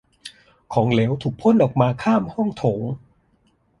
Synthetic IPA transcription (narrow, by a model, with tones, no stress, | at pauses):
kʰɔː˩˦ŋleː˩˦wt̪ʰuː˨˩k̚pʰo˥˩˨nʔɔː˨˩k̚maː˧kʰaː˥˩mhɔ˥˩ŋt̪ʰoː˩˦ŋ